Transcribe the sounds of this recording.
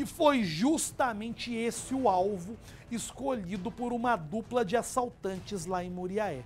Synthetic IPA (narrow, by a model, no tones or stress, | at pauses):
ɪfojʒust̪amẽnt͡ʃɪesɪʊawvʊ | ɪskoʎid̪ʊpoɾũmɐd̪uplɐd͡ʒɪasawt̪ɐ̃nt͡ʃɪzlaẽj̃muɾiaɛ